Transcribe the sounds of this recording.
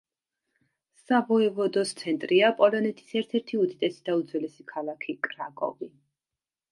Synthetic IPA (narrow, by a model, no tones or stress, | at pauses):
savɔɛvɔd̪ɔst̪sʰɛnt̪ʼɾiapʼɔlɔnɛt̪ʰʼi̥sɛɾt̪ʰɛɾt̪ʰiud̪id̪ɛsi̥d̪̥aud̪zwɛlɛsikʰalˠakʰikʼɾakʼɔ̰vi